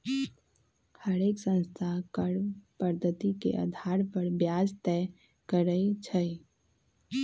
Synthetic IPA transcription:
həɾeːksə̃nst̪ʰakəɽpəɾd̪ʱət̪ikḛʔə̰d̪ʱaɾpəɾbjad͡ʒt̪ɛ | kəɾət͡ʃʰə

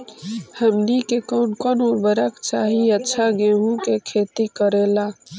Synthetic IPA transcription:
həmnikekɔːnkɔnɔːɾbəɾəkt͡ʃaːɦiətːʃʰaɡeɦũkekʰeːt̪ikəɾeːlaː

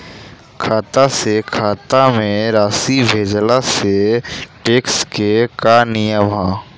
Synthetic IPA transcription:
kʰaːt̪asekʰaːt̪amẽɾaːsibʱeːd͡ʒlaseʈeːkskekanijəbʱaː

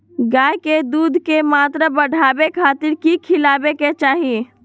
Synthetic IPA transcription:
ɡaːjked̪uːd̪ʱkemaːt̪ɾəbəɖ̤ʱaːbekʰaːt̪ɪɾkikʰɪlaːbeket͡ʃaːɦie

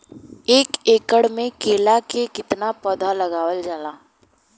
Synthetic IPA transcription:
eːkeːkəɽmẽkeːlakekɪt̪napɔd̪ʱalɐɡaːwəld͡ʒaːlaː

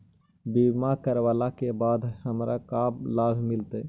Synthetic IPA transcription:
bimakəɾʋalakebad̪ʱhəmɾakablabʱmilt̪ə

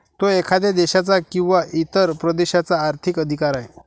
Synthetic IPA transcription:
t̪oekʰad̪ed̪eɕat͡sakĩw̃ʋaʔit̪əɾpɾəd̪eɕat͡saːɾt̪ʰikəd̪ʱikaɾaɦe

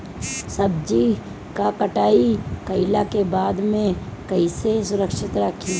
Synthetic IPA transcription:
səb̚d͡ʒi | kakəʈaːikəɪlakebaːd̪mẽkɐɪsesʊɾəkʃɪt̪ɾəkʰi

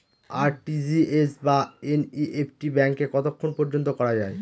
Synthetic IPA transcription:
aɾʈid͡ʑiesbaeniʔepʰʈibɛŋkːekɔt̪okʰːonpɔɾd͡ʑont̪okɔɾad͡ʑae

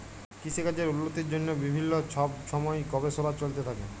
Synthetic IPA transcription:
kisekad͡ʑeɾulːot̪iɾd͡ʑonːobibʱinːoɔbʃʰɔmɔekɔbesoɾat͡ɕolt̪et̪ʰakḛ

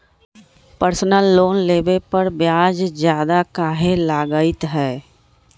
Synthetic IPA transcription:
pəɾsnəlːoːnleːbepəɾbjaːd͡ʒzjaːd̪akaːɦelaːɡaːɪt̪ɦɛː

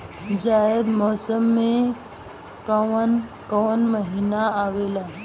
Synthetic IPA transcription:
d͡ʑajəd̪mɔːsəmːe | kəʋənkəʋənməɦinaːʋela

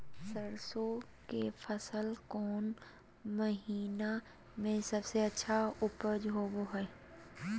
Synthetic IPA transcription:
səɾso | kefʰəsəlkɔːn | məɦiːna | mẽsɐbseɐtːʃʰaʊpəd͡ʒɦoːboɦɛ

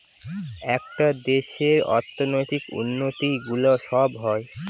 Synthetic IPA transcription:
ɛkʈad̪eʃeɾɔ̰ɾt̪ʰonojt̪ikṵnːot̪iɡuloʃɔbɦɔe

